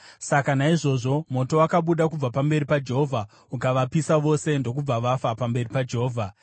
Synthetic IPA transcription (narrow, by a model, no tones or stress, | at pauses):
sakanaiʐo̞ʐo̞mo̞to̞wakaɓuɗakub͡vapambe̞ripad͡ʒe̞ɦovʱa | ukaʋapisaʋo̞sendo̞k̬ub͡vaʋafapambe̞ripad͡ʒeɦoːvʱa